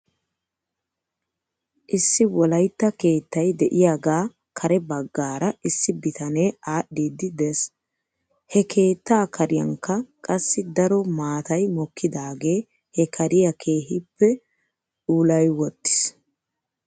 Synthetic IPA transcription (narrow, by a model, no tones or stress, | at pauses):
ʔɪsːɪwɔlɐjt̪ːɐke̞ːt̪ːɐjd̪ɛʔɪjaːɡaː | kʰɐɾɛbɐɡːaːɾɐʔɪsːɪbɪt̪ɐneːaːɗːid̪ɪd̪es | hɛkʰe̞ːt̪ːaːkɐɾɪjɐŋkːɐkʼɐsːɪd̪ɐɾɔmaːt̪ɐjmɔkʰːɪd̪aːɡe̞ː | hɛkʰɐɾɪjɐkʰe̞ːɦɪpːɛ | ᶑuːlɐjwɔt̪ːɪ̥s